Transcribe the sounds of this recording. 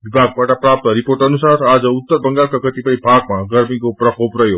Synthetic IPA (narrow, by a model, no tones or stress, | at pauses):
ʋibʱaɡ̚paʈapɾap̚t̪əɾipoɾʈənusaɾad͡ʒut̪ːəɾbəŋɡaɾkaɡət̪ipəibʱaɡmãɡəɾmikopɾəkʰopɾəjoɡ